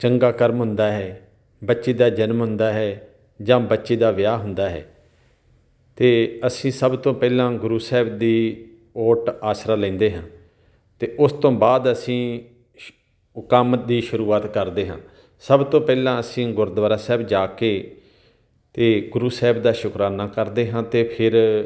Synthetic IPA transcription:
t͡ʃəŋɡaːkəɾmɦʊnd̪aːɦɛː | bətːʃeːd̪aːd͡ʒənmɦʊ̃nd̪aːɦɛː | d͡ʒãːbətːʃeːd̪aːʋɪjaːɦʊnd̪aːɦɛ̰ː | t̪eːəsĩːsəbt̪õːpɛːlãːɡʊɾuːsɛːbd̪iː | oːʈaːsɾaːlɛ̃ːnd̪eːɦãː | t̪eːʔʊst̪õːbaːd̪əsĩː | ʊkaːmət̪̚d̪iːʃʊɾuːaːt̪kəɾd̪eːɦãː | səbt̪õːpɛːlãːəsĩːɡʊɾd̪ʋaːɾaːsɛːbd͡ʒaːkeː | t̪eːɡʊɾuːsɛːbd̪aːʃʊkɾaːnaːkəɾd̪eːɦãːt̪eːpʰɪɾ

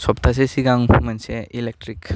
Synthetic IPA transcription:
sɔp̚tʰas̬esiɡaŋmanseilek̚tɾik

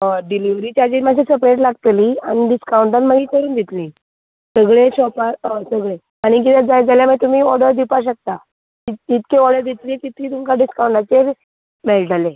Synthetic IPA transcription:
əɖiliʋɾiːt͡ɕad͡ʑimad͡ʑʰisəpɾeʈ̬laɡt̪liːañiɖiskawɳʈãnməɡiːkəɾuːnd̪ʱit̪lĩː | səɡɭeɕɔpaəsəɡɭe | aɽ̃ikit̪ed͡zad͡zaljaməet̪um̤iːɔɽəɾd̪ipaɕ̬ək̚t̪a | iit̪keɔɽəɾd̪it̪lĩt̪it̪iːt̪umkaɖiskawɳʈat͡seɾ | meld͡zale

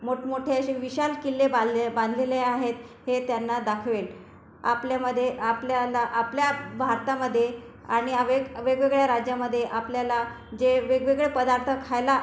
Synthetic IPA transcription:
moʈʰmoʈʰeəɕeʋiɕalkilːebbãnd̪ʱleleaɦet̪het̪janːad̪akʰʋel | a̰pljaməd̪ʱːjeapljalaʔapljabʱaɾt̪aməd̪ʱːje | aɽ̃iaʋeɡəʋeɡʋeɡɭjaɾad͡ʑjaməd̪ʱːjeʔapljala | d͡ʑeʋeɡʋeɡɭepəd̪aɾt̪ʰəkʰajla

